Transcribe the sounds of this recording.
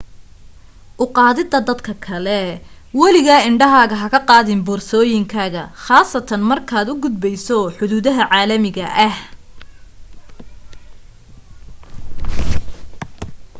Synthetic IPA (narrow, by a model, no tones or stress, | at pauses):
ʔʊqɑːðɪd̪ɐd̪ɐd̪kʰɐkʰɐlɛ | wɐlɪɣɐɪɳɖɐɦaːɣɐɦɐkʰɐqɑːðɪmbɔːrsɔːjɪŋkʰaːɣɐχɑːsɐt̪ʰɐnmɐrkʰaːd̪ʊɡʊd̪bɛjsɔħʊðuːðɐɦɐʕaːlɐmɪɣɐ̰ʔɐh